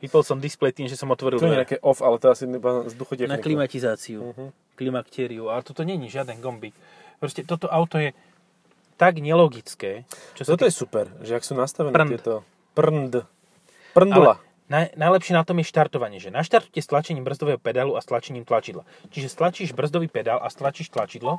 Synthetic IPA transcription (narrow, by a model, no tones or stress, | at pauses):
ʋipɛlsɔmd̪isplɛjt̪iːmʒɛsɔmɔt̪ʋɔɾilɲɲɛakɛʔɔfalɛt̪ɔɛasiɛbazd̪uxɔcɛnaniklimatizaːt͡siu | klimakt̪ɛːɾiuat̪ɔt̪ɔɲɛɲiʒɪad̪ɛnɡɔmbi | pɾɔscɛt̪ɔt̪ɔʔaʊt̪ɔjɛ | t̪aɡɲɛlɔɡit͡skɛːt͡ʃɔst̪ɔt̪ɔjɛsupɛɾʒɛaksuːnast̪aʋɛnɛɪɛt̪ɔ | prnd̪ | pr̩nd̪ula | najnajlɛpʃɪɛnat̪ɔmjɛʃt̪aɾt̪ɔʋaɲɪɛʒɛnaʃt̪aɾt̪u̥cɛst̪lat͡ʃɛɲiːmbr̩zd̪ɔʋɛːɦɔpɛd̪aluast̪lat͡ʃɛɲiːmt̪lat͡ʃid̪la̰ | t͡ʃiʒɛst̪lat͡ʃiːʒbr̩zd̪ɔʋiːpɛd̪alʔa̰st̪lat͡ʃiːʃt̪lat͡ʃid̪lɔ